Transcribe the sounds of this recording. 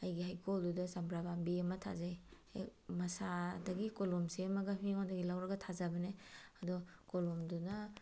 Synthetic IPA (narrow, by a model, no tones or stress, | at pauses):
ajɡihajkʰoldudɐzambɾabambiɐmɐtʰa̰zaj | mɐsadɐɡikolumsiɐmɐɡɐmiŋɔndɐɡilawɾɐɡɐtʰazɐbɐneɐdɔkolɔmdunɐ